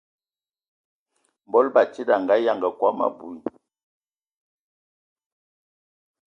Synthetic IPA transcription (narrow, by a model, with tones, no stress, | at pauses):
m˨bɔ˦lba˨t͡ʃi˦da˨ŋɡa˨˦ja˨ŋɡə˨kwa˦ma̰˨bu˨i˨